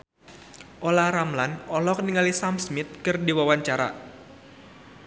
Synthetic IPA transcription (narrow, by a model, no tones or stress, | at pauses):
ʔolaɾamlanɔlɔk̚niŋalisamsmɪt̪̚kɨrdiwawaɲt͡ʃaɾa̰